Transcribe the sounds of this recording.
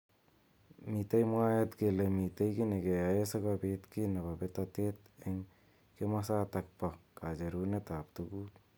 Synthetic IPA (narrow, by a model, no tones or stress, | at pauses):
mit̪ajmuajet̪ɡelemit̪ajɡineɡeajesaɡabet̪kinababet̪at̪et̪eŋ | kemasat̪ak̚pakad͡ʒeɾunet̪ap̚t̪uɡut